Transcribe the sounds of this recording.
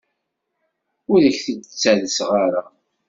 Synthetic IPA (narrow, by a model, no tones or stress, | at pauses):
ʊləçθədət͡sːæðəsʁaɾa